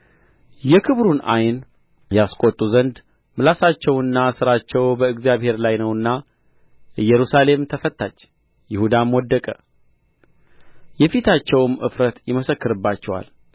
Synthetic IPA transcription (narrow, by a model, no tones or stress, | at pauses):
jɛkʰɨβɾuna̰jn | jaskʷʼot̪ʼːuzənd̪ | mɨlasat͡ʃːɛwɨnːasɨɾat͡ʃːɛwbəɨɡzijaβhe̞ɾlajnəwɨnːa | jɛɾusale̞mt̪ʰəfət̪ːat͡ʃː | jɪhud̪amwɔd̪ːəkʼə | jɛfit̪ʰat͡ʃːɛwmɨ̰fɾət̪jɪməsəkːɨɾɨbːat͡ʃːɛwa̰l